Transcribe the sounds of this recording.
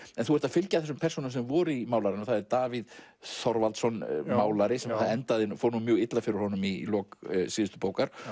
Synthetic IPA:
ɛnθuhɛɾt̪aðfɪlcaθɛsʏmpʰɛrsunamsɛmvɔːɾʏimaːwlaɾɪnaθaðɛɾt̪aːvið | θɔɾvalt̪sɔnmaːwlaɾɪsɛmaθaðɛnt̪aðɪnfoːɾnumjœːɣɪt̪lafɪɾɪɾ̥hɔnʏmilɔːksiːðʏst̪ʏ̥poːwkaɾ̥

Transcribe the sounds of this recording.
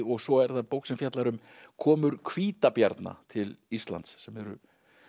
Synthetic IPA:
ɔɣsɔɛɾθaðpowhksɛmfjat̪laɾʏm | kʰɔːmʏɾkʰviːt̪apja̰ɾt̪na̰t̪ʰɪlist̪la̰nt̪sːɛmɛɾʏ̰

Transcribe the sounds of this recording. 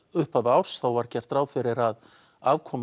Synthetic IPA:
ʏhpavaːwɾ̥st̪awvaɾ̥cɛr̥t̪ɾaːwfɪɾɪɾað | aːvkʰɔːm

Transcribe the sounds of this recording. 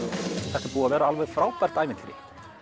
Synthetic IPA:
θɛht̪apuːavɛːɾaalvɛð̥fɾaːwpɛr̥t̪aːjvɪnt̪lɪɾɪ̰

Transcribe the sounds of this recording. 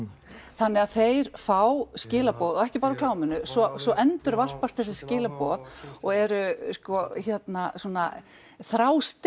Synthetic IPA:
θanːɛaðθejɾfawscɪːlapɔːðɔɛhcɪpaːɾaɔkʰlaːwmʏnʏsɔsɔʔɛnt̪ʏɾvar̥past̪θɛs̬ɪscɪːlapɔːðɔɣɛɾʏskɔçɛt̪nasuːna | θɾaːwst̪

